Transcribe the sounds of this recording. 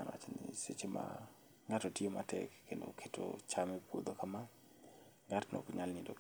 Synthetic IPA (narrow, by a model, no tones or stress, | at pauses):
anwa̰t͡ʃenɪset͡ʃema̰ | ŋatotiematʰɛ̰kːendo̰kʰeto̰t͡ʃamɛpwod̪okama | ŋatno̰kɲalnidok